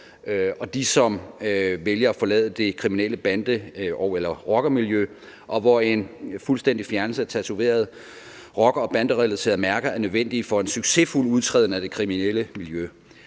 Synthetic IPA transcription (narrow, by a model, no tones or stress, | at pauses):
ɒ̽d̥isɒ̽mʋeljɐæfɒ̽lɛ̰ːðˠəd̥e̝kʰʁimineləb̥ænd̥əɒʊelɐʁɒ̽ɡ̥ɐmiljø | ʔɒ̽ʋɒe̝nfulsd̥en̰d̥ifjæɐnl̩səæɐt͡sʰæt͡sʰuʋe̝̰ːɐð̞̩ˠ | ʁɒ̽ɡ̥ɐɒ̽b̥ænd̥əʁɛlæsʰe̝̰ːɐðˠmæɐɡ̥ɐæɐnøðˠʋen̰d̥ifɒ̽e̝nsyɡ̥se̝ful̰uð̞ˠt͡sʰʁɛð̰ˠn̩æd̥e̝kʰʁimineləmiljø